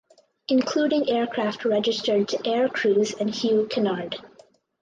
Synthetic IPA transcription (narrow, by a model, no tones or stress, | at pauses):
ɪ̃nkʰl̥uːɾɪ̃ŋɛːɹkʰɹ̥æftɹɛd͡ʒɪstə˞d̚tʰuʔɛɹkʰɹ̥uːzɨ̃nhjukʰɨnɑɹd